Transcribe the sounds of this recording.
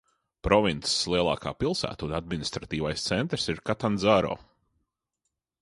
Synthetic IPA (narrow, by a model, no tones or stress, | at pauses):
pɾɔvint̪sslˠiɛlˠa̰ːka̰ːpilˠsæ̰ːt̪unad̪minist̪ɾat̪iːvajst̪sɛnt̪ɾsiɾkat̪anzaːɾɔ̰ː